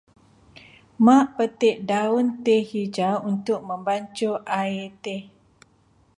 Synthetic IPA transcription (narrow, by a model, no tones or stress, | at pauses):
mãʔpət̪ɪʔdaunt̪ehid͡ʒaunt̪ʊk̚mə̃mbaɲt͡ʃoʔaet̪e